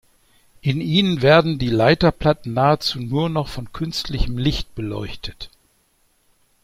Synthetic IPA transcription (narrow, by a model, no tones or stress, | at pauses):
ʔɪniːnənveːɐdn̩diːlaɪtɐpl̥atn̩naːət͡suːnuːɐnɔχfɔnkʰʏnstʰlɪçəmlɪçt̚b̥əlɔʏçtʰət